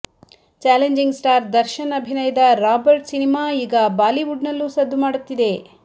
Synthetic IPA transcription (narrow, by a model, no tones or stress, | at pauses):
t͡ʃaːleɲd͡ʒiŋɡsʈaːɾd̪ɐɾʃɐnɐbʱinɐjɐd̪ɐɾaːbɐɾʈsinimaːiːɡɐbaːliʋuɖnɐlːusɐd̪ʱːumaːɽut̪ːid̪e̞